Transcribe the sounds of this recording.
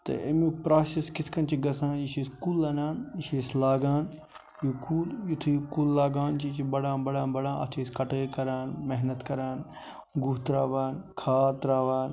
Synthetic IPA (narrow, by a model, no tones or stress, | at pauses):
t̪ɐ̰ḛmiːpɾaːseskɪt̪ʰkɐnt͡ʃʰiɡɐsãːiʃeːskuːlɐnaːniʃeːslaːɡaːn | juːkuːljut̪ʰikuːlːaːɡaːnt͡ʃit͡ʃibɐɽãːbɐɽãːbɐɽãːɐ̰t̪ʰeːskɐʈekɐɾaːnmeɦnət̪kɐɾaːn | ɡuɦt̪ɾaːʋaːnkʰaːt̪ɾaːʋaːn